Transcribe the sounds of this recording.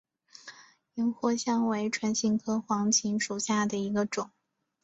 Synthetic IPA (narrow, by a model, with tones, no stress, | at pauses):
i˧˥ŋxwɔ˥ɕjɑ˥ŋwe˧˥ɪʈ͡ʂʰwa˧˥nɕi˧˥ŋkʰɤ˥xwɑ˧˥ŋt͡ɕʰi˧˥ŋʂu˨˩ɕja˥˩d̪ə˩i˧˥ɡə˧ʈ͡ʂʊ˨˩˦